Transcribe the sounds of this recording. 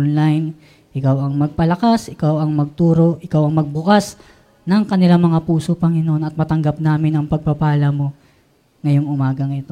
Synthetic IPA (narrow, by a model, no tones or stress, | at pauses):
nlajn | ʔɪkawɐŋmɐɡ̚pɐlɐkasʔɪkawʔɐŋmɐɡ̚t̪uːɾo̞ʔɪkawɐŋmɐɡ̚bʊkas | nɐŋkɐnɪlamɐŋapuːsopɐŋɪnoʔo̞nɐt̪̚mɐt̪ɐŋɡap̚naːmɪnɐŋpɐɡ̚pɐpaːlɐmo̞ | ŋɐjo̞ŋʊmaːɡɐŋɪt̪o